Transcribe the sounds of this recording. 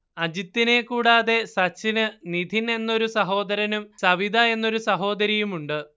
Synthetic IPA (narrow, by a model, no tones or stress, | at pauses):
ɐd͡ʑit̪ːine̞kuːɽaːðe̞sɐt͡ɕːinɨnid̪ʱine̞nːo̞ɾusɐɦo̞ːd̪ɐɾɐnumsɐʋid̪ʱɐe̞nːo̞ɾusɐɦo̞ːd̪ɐɾijumuɳɖɨ